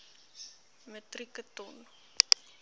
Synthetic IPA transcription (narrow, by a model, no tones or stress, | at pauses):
mətrikətɔn